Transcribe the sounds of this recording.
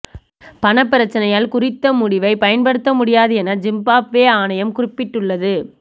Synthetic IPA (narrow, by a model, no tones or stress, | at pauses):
pɐɳɐpːɪɾɐt͡ʃːɐnɐjaːlkʊrɪt̪ːɐmʊɽɪʋɐɪpɐjɐnpɐɽɯt̪ːɐmʊɽɪjaːðɯɛnɐd͡ʒɪmbaːpʋeːaːnɐjɐmkʊrɪpːɪʈːɯɭːɐðɯ